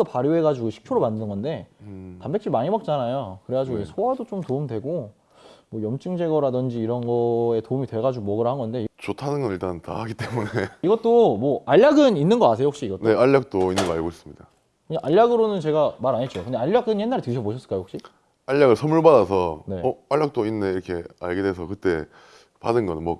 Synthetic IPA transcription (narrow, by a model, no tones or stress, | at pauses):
opaɾjoe̞ɡad͡ʑiɡoɕʰi̥k̚t͡ɕʰoɾomandɯnɯnɡʌnde̞tambet͡ɕ͈ʰiɭmaɲibak̚t͡ɕ͈anajokɯɾe̞ɡad͡ʑiɡoesʰowadot͡ɕomtoumdwe̞ɡo | mwʌjʌmt͡ɕ͈ʰɯŋd͡ʑe̞ɡʌɾadɯnd͡ʑiːɾʌnɡʌe̞toumitwe̞ɡad͡ʑuɡumʌɡɯɾhanɡʌnde̞it͡ɕotʰanɯnɡʌniɭt͈anta̰ɦaɡit͈e̞muneiɡʌt͈omwʌaʎːaɡɯninːɯnɡʌkasʰeoɦok̚ɕ͈iːɡʌtne̞aʎːak̚t͈oinːɯnɡʌaɭɡois͈ɯmɲida | kɯɲaŋʔaʎːaɡɯɾonɯnt͡ɕe̞ɡamaɾaɲet̚t͡ɕ͈okɯndaaʎːak̚k͈ɯɲe̞nːaɾeteɕʰʌboɕʰʌs͈ɯɭk͈ajoɦok̚ɕ͈i | aʎːaɡɯɭsʰʌmuɭbadasʰʌne̞ʌaʎːak̚t͈oinːeiɾʌkʰe̞a̰ɭɡedwesʰʌkɯt͈e̞ | pa̰dɯnɡʌnnmwʌ